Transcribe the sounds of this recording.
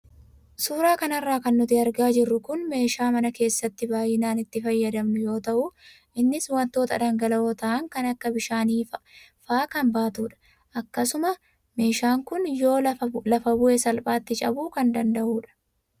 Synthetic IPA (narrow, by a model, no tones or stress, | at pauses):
suːɾaːkɐnɐrːaːkɐnːʊt̪ɪɐɾɡaːd͡ʒɪrːʊkʊnme̞ːʃaːmɐnɐke̞ːsːɐt̪ːɪbaːjːɪnaːnɪt̪ːɪfɐjːɐd̪ɐmnʊjo̞ːt̪ɐʔʊ | ʔɪnːɪswɐnt̪o̞ːt̪ɐd̪ɐŋɡɐlɐo̞ːt̪ɐʔɐŋkɐnɐkːɐbɪʃaːniː | faːkɐnbaːt̪uːᶑɐ̥ | ʔɐkːɐsʊmɐ | me̞ːʃaːŋkʊnjo̞ːlɐfɐbʊʔesɐlpʼaːt̪ːɪt͡ʃʼɐbuːkɐnd̪ɐnd̪ɐʔuːᶑɐ̥